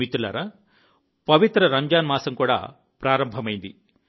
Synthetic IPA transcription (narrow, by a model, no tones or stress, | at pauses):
it̪ːulɐ̰ɾɐ | pɐʋit̪ɾɐɾɐɲd͡ʒaːnmaːsɐmkuːɽa̰ː | pɾaːɾɐmbʱɐmɐjind̪i